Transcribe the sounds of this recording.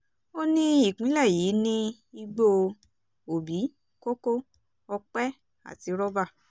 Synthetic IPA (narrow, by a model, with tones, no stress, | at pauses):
o˦nĩ˦i˦˨kũ˨˦lɛ˦˨ji˨˦nĩ˦ | i˧ɡ͡bo˧ | o˨bi˨˦ | ko˦ko˦ | ɔ˧k͡pɛ˦ | a̰˦˨ti˨˧˦ɾɔ˦ba˦˨